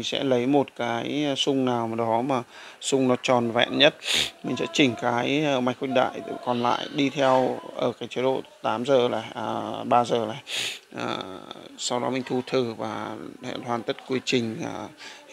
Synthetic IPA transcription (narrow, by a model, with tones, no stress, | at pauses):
ŋ̟sɛ̰˧˥lə˨˦jmo˨˩t̚kaː˨˦jsʊ˧ŋ͡mnaː˨˩wm˨˩ɗɔ˨˦maː˨˩ | sʊ˧ŋ͡mnɔ˨˦t͡ɕɔ˨˩nvɛ̰˧˨nɲə˦˥t̚mï˨˩ŋ̟sɛ̰˧˥t͡ɕï˨˩ŋ̟kaː˨˦jma˨˦j̚kwi˧k̚ɗa̰ː˧˨jkɔ˨˩nla̰ː˧˨jɗi˧t̪ʰɛ˧wʔəː˧˩kaː˨˦jt͡ɕə˨˦ɗo̰˧˨t̪aː˨˦mzəː˨˩la̰ː˧˩jʔɓaː˧zəː˨˩laː˨˩˨jʔəː˨˩sa˧wɗɔ˨˦mï˨˩ŋ̟t̪ʰu˧t̪ʰɨ˨˩vaː˨˩hɛ̰˧˨t̪ʰwaː˨˩nt̪ə˦˥t̚kwi˨˦t͡ɕï˨˩ŋ̟aː˨˩